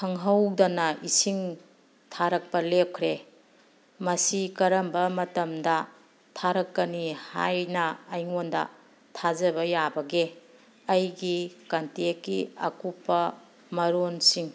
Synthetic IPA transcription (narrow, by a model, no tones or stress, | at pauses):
tʰɐŋɦɐwdɐnɐʔisiŋ | tʰaɾɐk̚pɐlep̚kʰɾe | mɐsikɐɾɐmbɐmɐtɐmdɐ | tʰaɾɐkːɐniha̰jnɐːjŋondɐ̰ | tʰazɐbɐjabɐɡe | ɐjɡikɐntekːiɐ̰kupːɐ | mɐɾonsiŋ